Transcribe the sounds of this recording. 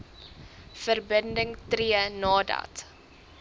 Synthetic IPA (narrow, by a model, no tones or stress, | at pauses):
fərbəndəŋtriənɑːdɐ̰t